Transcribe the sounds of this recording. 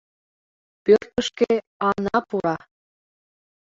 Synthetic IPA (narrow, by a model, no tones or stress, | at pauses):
pørt̪əʃke | ɑnɑpuɾɑ